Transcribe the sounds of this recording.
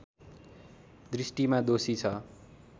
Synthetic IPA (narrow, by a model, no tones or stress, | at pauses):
d̪risʈimad̪osit͡sʰʌ